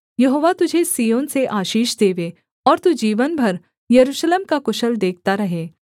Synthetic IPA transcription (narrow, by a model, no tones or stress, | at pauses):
jɐɦoːʋat̪ʊd͡ʒʱesijoːnseʔaːʃiːʃd̪eːʋe | ɔːɾt̪ud͡ʒiːʋənbʱɐɾ | jɐɾuːʃleːmkakʊʃəld̪eːk̚ʰt̪aɾɐɦeː